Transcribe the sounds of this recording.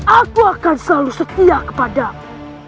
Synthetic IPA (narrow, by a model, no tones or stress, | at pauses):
akuakansəlalusət̪iakə̥pada